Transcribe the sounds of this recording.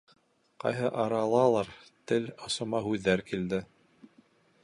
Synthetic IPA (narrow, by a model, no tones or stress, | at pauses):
qɑ̰jɦɤʔɑɾɑlˠɑlˠɑɾt̪ɘlŏsŏmɑɦʉðːæɾkild̪ɘ